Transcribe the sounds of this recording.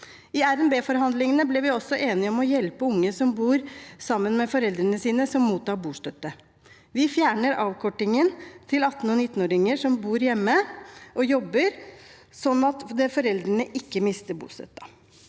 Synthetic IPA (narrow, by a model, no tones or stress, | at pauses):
ɪæɾɛnbeːfɔɾɦɑnd̪lɪŋənəblɪʋɪɔsːɔʔeːnɪɔmɔjɛlpəʊŋːəsɔmbuːɾsɑmːənmɛfɔɾɛld̪ɾənəsiːnəsɔmːuːt̪ʰːɑːɾbuːʂt̪œt̪ːə | ʋɪfjæːɳəɾɑːʋkʰɔʈːɪŋənt̪ʰɪlɑt̪ːn̩ɔnɪt̪ːn̩oːɾɪŋəʂɔmbuːɾjɛmːəʔɔjɔbːəɾsɔnːɑt̪d̪ɛfɔɾɛld̪ɾəɳəʔɪkːəmɪst̪əbṵːst̪œ̰t̪ːɑ̥